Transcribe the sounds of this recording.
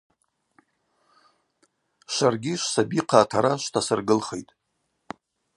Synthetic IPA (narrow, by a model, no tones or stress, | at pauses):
ʃʷarɡʲiʃʷsabiqʰaːtʰaɾaʃʷtʰasɨrɡɨlχḛjtʼ